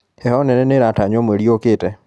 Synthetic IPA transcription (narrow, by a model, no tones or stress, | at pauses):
ɛhɔnɛnɛneɾataɲɔmweɾjoketɛ